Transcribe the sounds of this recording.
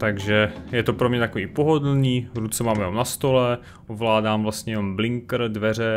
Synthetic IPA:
t̪aɡʒɛjɛt̪opɾomɲɛt̪akoviːpoɦodl̩niːvɾut͡sɛmaːmjɛomnast̪olɛ | ʔovlaːdaːmvlast̪ɲɛjɛnomblɪŋkɾ̩dvɛr̝ɛ

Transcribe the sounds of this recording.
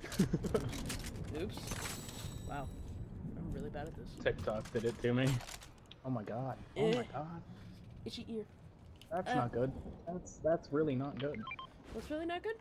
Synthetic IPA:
ʉps | wʔa̰ʊʔã̰ɪ̃mɹɪlˠibæɾɨt̪̚ðɪstʰɪk̚tʰɑk̚d̥ɨɾɨtʰɨmi | oʊmaɪɡɑd̥oʊmaɪɡɑd̥ɨzɨʔiɹ | ðætsnət̚ɡ̥ʊd̥̚ðætsðætsɹɪlˠinət̚ɡ̥ʊd̥̚ | tsɹɪlˠinət̚ɡ̥ʊd̥̚

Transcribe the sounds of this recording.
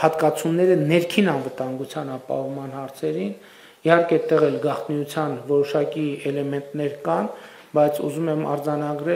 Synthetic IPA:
hɑt̪kɑt͡sʰumnːɛɾənɛɾkʰinɑnvət̪ɑŋɡut͡sʰjɑnɑpɑ̰hɔvmɑn̪hɑɾt͡sʰɛɾin | ihɑɾkɛt̪ːɛʁɛlɡɑχt̪niut͡sʰjɑnvɔɾɔʃɑkiɛlɛmɛnt̪nɛɾkɑn | bɑjt͡sʰṵzumɛmɑ̰ɾd͡zɑnɑɡɾɛ

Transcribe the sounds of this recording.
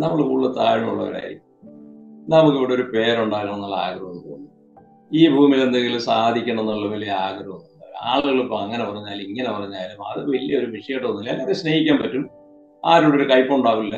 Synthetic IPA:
nɐmːɐɭkuɭːɐt̪a̰ːɻimṵɭːɐ̰ʋɐ̰ɾa̰ːjɾḭkʲːu | nɐmukːɨiːɽeoɾupe̞ːɾuɳɖaːɣiɐmenːaɭa̰ːɡrɐɣnːupo̰ːɣunːu | iːbʱuːmile̞nd̪eŋɡilumsaːd̪ʱikʲːuɳɐenːuɭːɐʋɐleaːɡɾɐʋunːaːla̰ːɭuɣɐɭupːoɐŋːɐnepɐrɐɲːaːliŋːɐnepɐrɐɲːaːlumɐ̰ðɨʋɐlijɐoɾuʋiʂɐjeʈːɐt̪onːilaːnːɐðeɕne̞ːhikʲːaːmpɐtːum | aːɾuːɽoɾukɐjpːuuɳɖaːʋulːɐ

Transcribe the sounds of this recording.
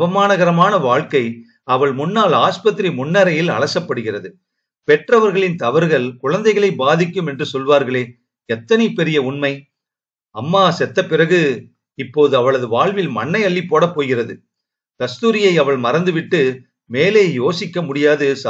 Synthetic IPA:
ʋɐmaːnɐɣɐɾɐmaːnɐʋaːɭkɐɪ | ɐʋɐɭmʊnːaːlaːspɐt̪ːɾimʊnːɐɾɐjɪlɐ̰ɭɐsɐpːɐɽɯɣɪrɐðɯ | pɛʈrɐʋɐɾɣɐɭɪnt̪ɐʋɐɾɣɐɭkʊɻɐnd̪ɐɪɣɐɭɐɪbaːðɪkːɯmɛndrɯsɔlʋaːɾɣɐɭeː | ɛt̪ːɐnɐɪpɛɾɪjɐʊɳmɐɪ | ɐmːaːsɛt̪ːɐpːɪrɐɣɯ | ɪpːoːðɯɐʋɐɭɐðɯʋaːɭʋɪlmɐnːɐɪɐɭːipːoːɽɐpːoːjɣɪrɐðɯ | k̪ɐst̪uːɾɪjɐɪɐʋɐɭmɐɾɐnd̪ɯʋɪʈːɯ | meːleːjoːsɪkːɐmʊɽɪjaːðɯs

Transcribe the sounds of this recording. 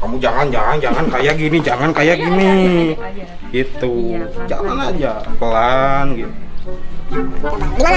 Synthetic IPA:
kamud͡ʒaŋand͡ʒaŋand͡ʒaŋankajaʔɡinid͡ʒaŋankajaʔɡini | ɡit̪ud͡ʒaŋanad͡ʒakəlanɡit̪u

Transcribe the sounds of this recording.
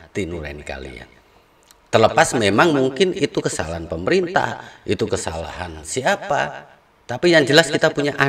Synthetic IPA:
t̪inuɾa̰nka̰lḭa̰n | t̪ərləpasmemaŋmuŋkɪnit̪ukəsa̰laanpəməɾint̪a̰hʔit̪ukəsa̰la̰ɦansiapa̰ | t̪apijaŋd͡ʒəlaskit̪apuɲaʔa

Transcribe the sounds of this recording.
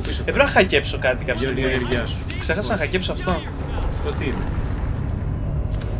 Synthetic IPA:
epɾonɐxɐce̞pso̞kɐt̪ikɐpç̪ieneɾʝɐsu̥kse̞xɐsɐnɐxɐce̞psoɐft̪o̞ | pot̪ime

